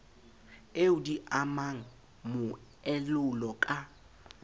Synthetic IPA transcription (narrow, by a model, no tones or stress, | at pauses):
eʊdiʔamaŋ̩ | mʊ | ɛlʊlɔkʼa